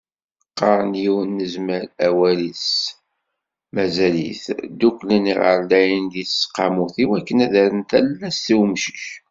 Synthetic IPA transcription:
qːɑɾˤənjiwnːəzməɾæwælis | mæzæliθd̪ukʷləniʁə̰ɾlæjənd̪iθsqːɑmuθiwækːənæðæɾənt̪ælːæsθiwmʃi̥ç

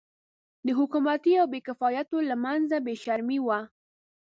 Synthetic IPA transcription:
d̪əɦʊkumat̪iawbekɪfɑjat̪olamanzabeʃaɾmiwa

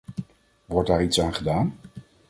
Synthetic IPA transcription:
ʋɔɹdaːɹitsaːnχədaːn

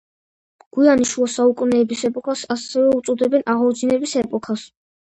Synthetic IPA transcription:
ɡ̥ianiʃuasaukʼunɛːbisɛpʼɔkʰasasɛvɛut̪sʼɔd̪ɛbɛnaʁɔd͡ʒinɛbisɛpʼɔkʰas

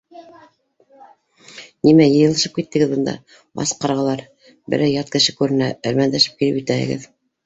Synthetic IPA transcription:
nimæjɤ̆jɤ̆lˠɤ̆ʃɤp̚kit̪ːɘ̆ɡɘðbɤ̆nd̪ɑ̰ | bɑ̰sqɑɾʁɑ̆lˠɑɾ | bɘ̰ɾæjɑt̪̚kɘ̆ʃɘkʉɾɘ̆næɘ̆ɾmænd̪æʃɘ̥p̚kilɘpjit̪æhɘ̰̆ɡɘ̰ð

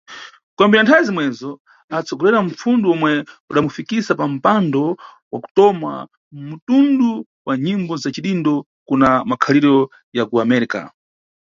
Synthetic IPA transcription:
kwambinantʰajizimwɛzɔ | at͡sʰɔɡɔɾɛɾam̩p͡funduɔmwɛuɗamufikisapam̩pandɔ | waku̥tɔma̰ | m̩mutundu | waɲimbɔzat͡ʃiɗindɔ | kunamakʰaliɾɔ | jakuamɛɾika̰

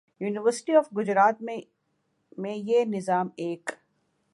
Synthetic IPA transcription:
juːnɪʋəɾsɪ̥ʈiɔːfɡʊd͡ʒɾaːt̪̚mẽ | mẽjenɪzaːmeːk

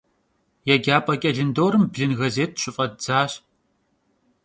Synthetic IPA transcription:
jɛɡʲaːpʼɐkʲʼɐɮɨndoːɾɨmbɮɨnɣɐzeːt̚ʰɕʼʊfʼɐdd͡zaːɕ

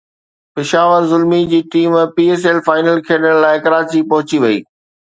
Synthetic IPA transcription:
pɪʃaːʋəɾzʊlmid͡ʑiːʈiːmpiːeːselfaːɪnəlkʰeːɗəɽ̃laːɪkɐɾaːt͡ɕipɐɦʊt͡ɕiʋɐḭː

